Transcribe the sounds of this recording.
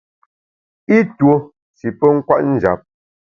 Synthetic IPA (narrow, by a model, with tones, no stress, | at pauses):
i˦two˦ | si˨pə˦ŋ̩˦kwa̰˦ʔn̩˦˨d͡ʒa̰˨p̚